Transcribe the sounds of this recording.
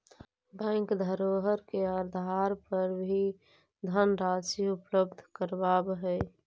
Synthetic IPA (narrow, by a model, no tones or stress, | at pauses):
bɛ̃ːŋkd̪ʱəɾoːɦəɾkeəɾd̪ʱaːɾpəɾbʱi | d̪ʱənɾaːsiʊpləb̚d̪ʱkəɾbaːbɦɛ